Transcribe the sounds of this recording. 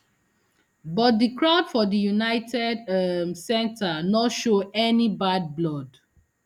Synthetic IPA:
bɔt̚dəkɹaʊdfɔdəjunaɪtʰɛdsɛ̃ntʰanɔtʃoɛnibad̚blɔd

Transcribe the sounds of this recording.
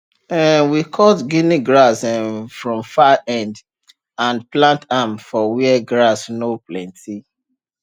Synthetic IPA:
ɛwikʰɔtɡiniɡɹasɛfɹɔ̃mfaɛ̃nd | ãnplãntamfɔwiɛɡɹasnoplɛ̃ntʰi

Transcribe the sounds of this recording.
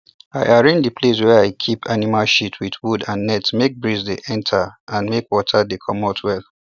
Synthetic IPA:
aɪʔaɹẽnd͡ʒdəpʰles̬wɛaɪkʰipʰanimalʃitʰwiθwudãnːɛtmek̚bɹizdeʔɛ̃ntʰaãnmekwɔtʰadekʰɔmatʰwɛl

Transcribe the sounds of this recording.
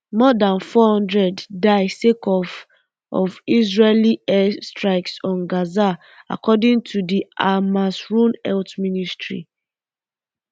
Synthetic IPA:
mɔdãnfɔhɔ̃ndɹɛddaɪsekɔf | ɔvisɹeliɛstɹaɪksɔ̃nɡaza | a̰kɔdɪ̃ŋtʰudiʔamasɹũnɛltministɹḭ

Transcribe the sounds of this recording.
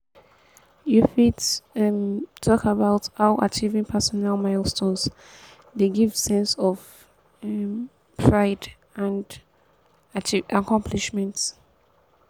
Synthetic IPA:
jufidmtʰɔkabaʊthaʊʔa̰t͡ʃʰivĩŋpʰɛsɔnalmaɪlˠstʰõnz | ðeɡiv̥sɛ̃nsɔv | m | pʰɹaɪd | ãnd | t͡ʃiakʰɔ̃mpʰliʃmɛ̃nt

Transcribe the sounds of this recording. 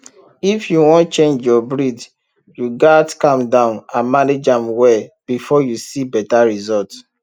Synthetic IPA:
ifjuwɔ̃ntt͡ʃẽnd͡ʒjɔbɹid | juɡatkãmdãʊ̃nãmaned͡ʒãmwɛb̥ifɔjusibɛtaɹizɔlt

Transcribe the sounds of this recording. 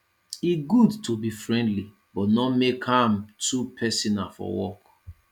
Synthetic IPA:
iɡudtobifɹɛ̃ndli | bɔtnɔmekhãmtupʰɛsɔnafɔ̰wɔk

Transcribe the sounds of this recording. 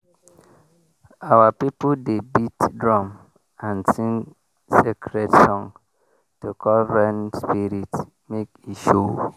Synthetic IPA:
awapipudebitdɹɔ̃m | ãnsĩŋ | sekʰɹetsɔ̃n | tukʰɔlɹɛ̃nspiɾit | mekiʃu

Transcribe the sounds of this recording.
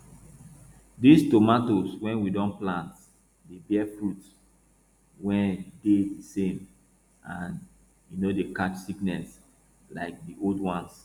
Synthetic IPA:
distomatoswɛ̃nwidɔ̃nplãnt | debɛfɹut | wɛ̃ndedisẽm | ãn | junodekat͡ʃsiknɛs | la̰ɪk̚diʔoldwãns

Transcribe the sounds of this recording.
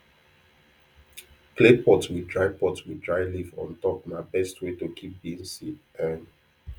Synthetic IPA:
klepɔtswidɹaɪɡ̚pɔtswidɹaɪlivɔ̰̃ntɔpnabɛstʰwetukʰip̚bĩŋsi | ɛn

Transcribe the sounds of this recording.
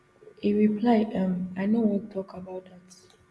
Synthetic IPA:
hiɹipʰlaɪdə̃maɪnowɔ̃nttʰɔkabaʊt̚dat

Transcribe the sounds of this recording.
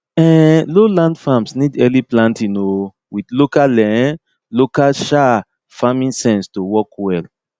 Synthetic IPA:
ɛ̃lolãndfamsnidɛliplãntĩno | wiθlokalɛ̃ | lokalʃa | famĩnsɛ̃nstowɔkwɛl

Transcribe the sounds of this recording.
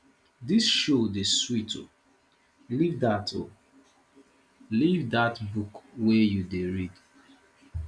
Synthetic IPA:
disʃodeswito̰ | livdatʰo | livdatbukwɛjudeɹid

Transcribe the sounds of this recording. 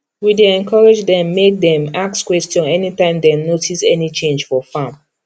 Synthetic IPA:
wideɛ̃nkʰɔɹed͡ʒdɛ̃mːek̚dɛ̃makskwɛstjɔ̃nɛnitãɪ̃mdɛnotʰisɛnit͡ʃẽnd͡ʒfɔfãm

